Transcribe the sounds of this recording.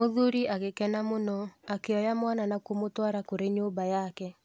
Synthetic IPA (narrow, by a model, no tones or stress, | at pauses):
oðuɾiʔaɣekɛnamonɔakeɔjamwananakomotwaɾakoɾeɲobajakɛ